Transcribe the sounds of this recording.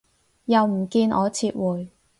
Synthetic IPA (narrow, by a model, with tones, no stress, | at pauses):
jɐ˨wm̩˨˩kiː˧nʔɔː˨˧t͡sʰiː˧t̚wuː˨j